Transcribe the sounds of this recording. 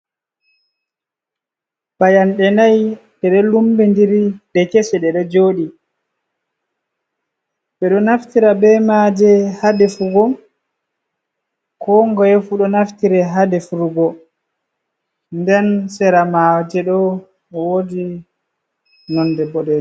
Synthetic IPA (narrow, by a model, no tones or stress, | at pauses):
bajanɗɛnajɗɛɗɛlumbɛndiɾiɗɛkɛsɛɗɛɗɛd͡ʒoːɗi | ɓɛɗɔnaftiɾabɛmad͡ʒɛhadɛfuɡɔm | kɔŋɡɔjɛfuɗɔnaftiɾɛɦadɛfuɾuɡɔ | ndɛnsɛɾamad͡ʒɛɗɔ | wodi | nɔndɛbɔɗɛ